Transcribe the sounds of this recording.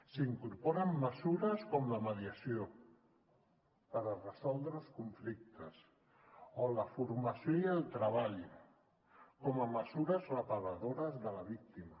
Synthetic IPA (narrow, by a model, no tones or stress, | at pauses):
siŋkuɾpɔɾəmːəsuɾəskɔmləməðiəsio | pəɾərəsɔlˠd̪ɾəlˠskuɱflik̚t̪əs | oləfuɾmasjoiəlˠt̪ɾaβaʎ | kɔməməzuɾəzrəpaɾaðoɾəzðəlɐβik̚t̪ima